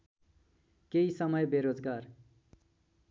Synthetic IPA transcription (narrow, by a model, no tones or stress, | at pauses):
keisʌmʌjbeɾod͡zɡar